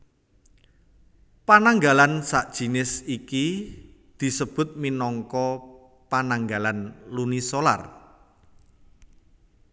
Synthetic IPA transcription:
panaŋɡalansaʔd̥ʒ̥i̤nɪsikid̪̥i̤səb̥ʊ̤t̪̚minɔŋkɔ | panaŋɡalanlunisola̰r

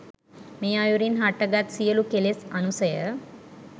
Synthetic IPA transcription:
meːajuɾinɦaʈəɡat̪sijəlukelesɐnusəjə

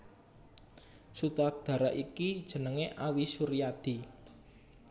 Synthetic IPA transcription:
sut̪ak̚d̪̥ä̤ɾaʔikid̥ʒ̥ə̤nəŋeʔawisuɾijad̪̥i̤

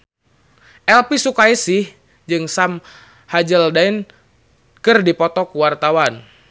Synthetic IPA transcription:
ʔɛlpisukaisɪh | d͡ʒɨŋsam | had͡ʒəldain | kɨrdipɔt̪ɔkuwart̪awan

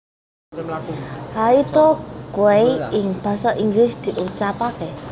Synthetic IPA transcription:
hait̪ɔkuweɪŋb̥a̤saʔiŋɡlɪsd̪̥i̤ʔut͡ʃapake

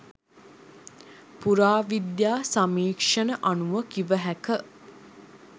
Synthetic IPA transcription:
puɾaːʋid̪jaːsamiːkʂənəʔanuʋəkiʋəɦækə

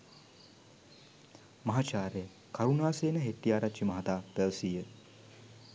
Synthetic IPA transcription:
mɐɦat͡ʃaːɾejə | kawnaːseːnəɦeʈ̪ːijaːɾat͡ʃʃimɐɦat̪aːpɛʋsiːjə

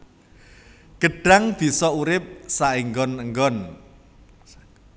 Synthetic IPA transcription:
ɡ̥əɖ̥a̤ŋb̥i̤sɔuɾɪp̚saiŋɡɔnəŋɡɔn

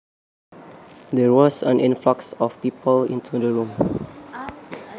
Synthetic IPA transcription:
dɛwɔsə̃nĩnflɔksɔfpipʰəlḭ̃ntʰudəɹũm

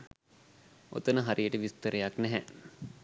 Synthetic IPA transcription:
o̰t̪ənəɦaɾʔijəʈəʋist̪əɾejaknɛɦɛ

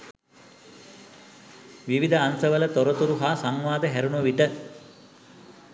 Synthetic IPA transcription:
ʋiʋid̪əansəʋələt̪oɾət̪uɾuɦaːsaŋʋaːd̪əɦæɾunuʋiʈə

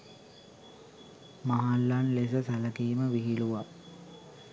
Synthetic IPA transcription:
maɦalːanles̬əsɐləkiːməʋiɦiluʋa

